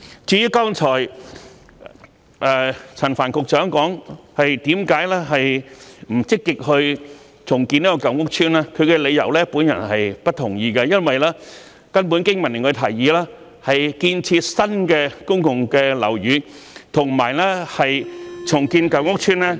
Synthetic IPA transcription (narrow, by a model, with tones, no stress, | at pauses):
t͡ʃyː˨˧˥jyː˧˥kɔː˥ŋt͡sʰɔː˨˩j | ʔɛ˧t͡sʰɐ˨˩nfaː˨˩nkʊ˨k̚t͡ʃœː˨˥ŋkɔː˨˥ŋhɐ˨jt̪iː˨˥mkaː˨˥jlɛː˥ɦɐ˨jm̩˨˩t͡sɪ˥kːɪ˨k̚hɵ˧ɥ | t͡sʰʊ˨˩ŋkiː˧niː˥kɔː˧kɐ˨˧wŋʊ˥k̚t͡ʃʰyː˥naː˥kʰɵ˨˧ɥkɛ˧le˨˧jɐ̰˨˩wlɛː˥puː˨˥njɐ̰˨˩nhɐ˨jpɐ˥t̚t̪ʰʊ˨˩ŋjiː˧kɐ˧jɐ˥nwɐ˨jlɛː˥ | kɐ˥npu˨˥nkɪ˥ŋmɐ˨˩nɪ˨˩ŋʰː˨˧t̪ʰɐ˨˩jjiː˨˧lɛː˥ | hɐ˨jkiː˧nt͡sʰiː˧t̚sɐ˥nkɛː˧kʊ˥ŋkʊ˨ŋkɛː˧lɐ̰˨˩wɥyː˨˧˥ | t̪ʰʊ˨˩ŋmaː˨˩jlɛ˥hɐ˨jt͡sʰʊ˨˩ŋkiː˧nkɐ˨˩wŋʊ˥k̚t͡ʃʰyː˥nlɛː˥